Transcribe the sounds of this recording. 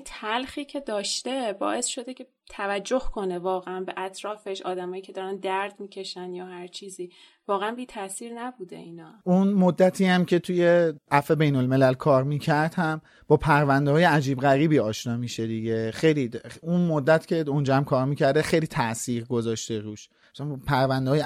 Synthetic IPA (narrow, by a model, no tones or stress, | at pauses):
t̪ʰælxiːcʰe̞d̪ɒːʃt̪e̞bɒ̰ːʔe̞sʃo̞d̪ecʰe | t̪ʰævæd͡ʒːo̞hko̞ne̞vɒːɣeænbeʔæt̪ʰɾɒːfeʃɒːd̪æmɒːjicʰe̞d̪ɒːɾænd̪æɾd̪miːcʰe̞ʃænjɒːhæɾt͡ʃʰiːziː | vɒːɣeænbiːt̪ʰæsiːɾnæbuːd̪ḛiːnɒːunmod̪ːæt̪ʰiːæmcʲʰe̞t̪ʰuje̞ʔæfe̞be̞jno̞lme̞lælkʰɒːɾmiːcʰæɾd̪̥hæm | b̥ɒːpʰæɾvænd̪ehɒːjeæd͡ʒiːbɣæɾiːbiːɒːʃnɒːmiːʃed̪iɟe̞xejliunmod̪ːæt̪ʰcʰʲe̞und͡ʒɒːhæmkʰɒːɾmiːcʰæɾd̪exejliːt̪ʰæʔsiːʁɡozɒːʃt̪eɾuːʃ | sænpʰæɾvænd̪eɒːj